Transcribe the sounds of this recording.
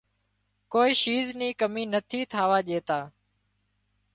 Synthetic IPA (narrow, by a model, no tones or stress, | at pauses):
koːiːʃiːzniːkəmiːnət̪ʰiːt̪ʰaːʋaːʄeːt̪aː